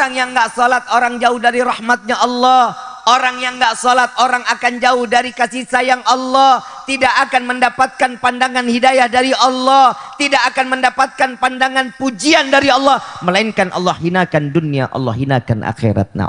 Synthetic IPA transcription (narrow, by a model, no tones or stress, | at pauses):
aŋjaŋɡaʔsɔlat̪̚oɾaŋd͡ʒaʊhdaɾiɾɑhmat̪̚ɲaʔɑlːɔhʔoɾaŋjaŋɡaʔsɔlat̪̚oɾaŋakand͡ʒaʊhdaɾikasisajaŋʔɑlːɔh | t̪idaʔakanməndapat̪̚kanpandaŋanhidajahdaɾiɑlːɔht̪idakːkanməndapat̪̚kanpandaŋanpud͡ʒiandaɾiɑlːɔhməlainkanʔɑ̰lːɔhhinakandunia̰ʔɔ̰lːɔ̰hɦina̰ka̰nʔa̰xḛɾa̰t̪̚na̰